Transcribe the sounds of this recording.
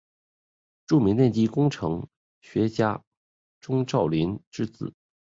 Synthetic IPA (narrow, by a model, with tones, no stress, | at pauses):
ʈ͡ʂu˥˩mi˧˥ŋt̪jɛ˥˩nt͡ɕi˥kʊ˥ŋʈ͡ʂʰɤ˧˥ŋ | ɕɥɛ˧˥t͡ɕja˥ | ʈ͡ʂʊ˥ŋʈ͡ʂɑ˥˩ʊli˧˥nʈ͡ʂɻ̩˥t͡sɹ̩˨˩˦